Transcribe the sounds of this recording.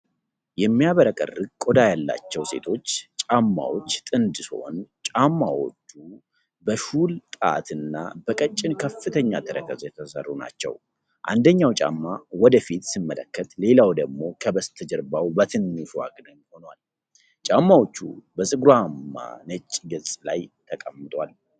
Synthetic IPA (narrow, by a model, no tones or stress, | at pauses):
jɛmːijaβəɾəkʼə̰rːɨɡ̚kʼod̪ajalːa̰t͡ʃːɛwse̞̰t̪ʰo̞t͡ʃːt͡ʃʼamːa̰wo̞t͡ʃːt̪ʼɨnd̪ɨso̰nt͡ʃʼamːawo̞̰t͡ʃːu | bəʃult̪ʼaa̰t̪ɨnːa̰bəkʼət͡ʃʼːɪnkʰəfːɨt̪ʰəɲːat̪ʰəɾəkʰəzjɛt̪ʰəsə̰rːuna̰t͡ʃːɛ̰w | ʔa̰nd̪əɲːawt͡ʃʼa̰mːawɔd̪əfit̪simːələ̰kːət̪le̞lawd̪əɡmo̞kʰəbəst̪ʰəd͡ʒəɾbawbət̪ʰɨnːɨfwa̰ɡnɨɲho̞nwal | t͡ʃʼamːawot͡ʃːṵbəsʼɨɡɾuamːa̰nət͡ʃʼːɡɨlsʼlajt̪ʰəkʼəmːɨt̪ʼwal